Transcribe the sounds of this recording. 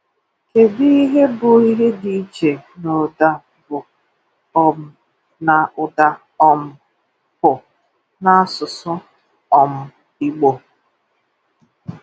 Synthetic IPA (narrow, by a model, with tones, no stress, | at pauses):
ke˨bi˦i˦ɦe˦bʊ˨i˦ɦe˦di˨˦t͡ʃe˨no˨da˦ | bʊ˨ | ɔ˨m̩˦ | na˨ʔʊ˨da˦ | ɔ˦m̩˦ | pʊ˨ | na˦a˦sʊ˨sʊ˦ | ɔ˨m̩˦ | i˦ɡ͡bo˨